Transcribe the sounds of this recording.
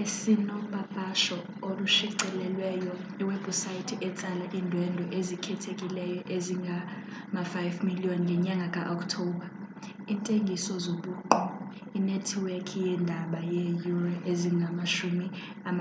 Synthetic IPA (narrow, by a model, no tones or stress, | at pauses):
esinɔɓapʼaʃɔ | oluʃiǀɛlɛlwɛjɔiwɛbusajitʰiʔɛt͡sʼalaʔindʱwɛndʱɔʔezikʰɛtʰekʼilɛjɔʔeziŋɡʱa | mafajfmiliɔnŋɡʱɛɲaŋɡʱakʼaʔɔkʰʼtʰɔːɓa | intʼeŋɡʱisɔzoɓuǃɔ | inɛtʰwɛkʰijɛndʱaɓajejurʔeziŋɡʱamaʃumi | am